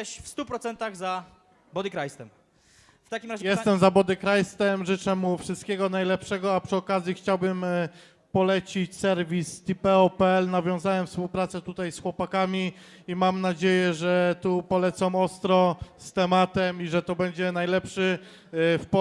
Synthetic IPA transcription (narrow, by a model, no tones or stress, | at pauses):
ɛɕfst̪upɾɔt̪sɛnt̪aɣza | bɔd̪ɘkɾajst̪ɛm | ft̪akʲimɾaʑɛjɛst̪ɛmzabɔd̪ɘkɾajst̪ɛmʐɘt͡ʂɛmufʂɨst̪̚kʲɛɡɔnajlɛpʂɛɡɔapʂɨɔkazʲjixt͡ɕawbɘm | pɔlɛt͡ɕit͡ɕsɛɾvʲist̪ipɛɔpɛɛlnavʲjɔ̃w̃zawɛmfspuwpɾat̪sɛt̪ut̪ajsxwɔpakamʲi | imamnad͡ʑejɛʐɛt̪upɔlɛt̪sɔ̃mɔst̪ɾɔst̪ɛmat̪ɛmiʐɛt̪ɔbɛɲd͡ʑɛnajlɛpʂɘ | p